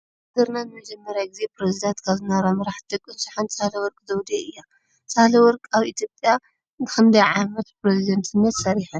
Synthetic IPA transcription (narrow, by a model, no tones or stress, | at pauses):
d̪ɨɾnanɨmɐd͡ʒɛmːɐɾjaɡize̞pʰɾezid̪ant̪kʰaβzɨnaɾomɐɾaħd̪ɨkʼːɨnsi̥ħant͡sʼahlɐwɔɾkʼzɐwd̪eʔɨjːa | t͡sʼahlɐwɔɾkʼaβit̪ʰjopʼja | nɨkʰɐmd̪ɐjʕamɐt̪pɾezid̪ɐnt̪ʰɨnːɐt̪sɐɾiħɐn